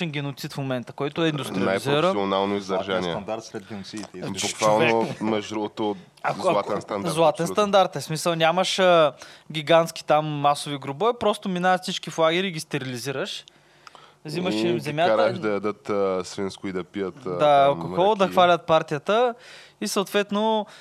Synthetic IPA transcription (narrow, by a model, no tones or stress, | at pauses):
ɛnɡʲɛnot̪sit̪fmomɛnt̪əkɔjt̪ʊɛind̪ust̪ɾniajziɾəionalˠnoizd̪ɐɾʒaniɛnd̪aɾt̪sɾɛt̪̚ɡʲɛnot̪sid̪it̪bokvalˠnomɛʒɾuot̪o | ɐkzat̪ɛnst̪ɐnzlˠat̪ɛnst̪ɐnd̪aɾt̪ɛsmisəlˠnʲaməʃəɡʲiɡant̪sk̟i̥t̪amːasoviɡɾubovɛpɾɔst̪ominat̪sit͡ʃkiflˠaɡʲɛɾiːɡʲist̪ɛɾiliziɾəʃ | zimɐʃimzɛmʲjataɾaʃd̪ɐjɐd̪ɤt̪ːsvinskʊid̪ɐpiət̪d̪aokoxɔlˠd̪ɐxvalʲət̪̚paɾt̪ijət̪ə | isɐʊt̪vɛt̪no